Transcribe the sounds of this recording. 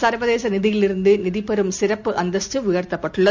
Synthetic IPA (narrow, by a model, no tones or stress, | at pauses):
saːɾʋɐðeːsɐnɪðɪjɪlɪɾɯnd̪ɯnɪðipɐɾɯmsɪɾɐpːɯʔɐnd̪ɐsʈːɯʋɪjɐrt̪ːɐpːɐʈːɯɭːɐ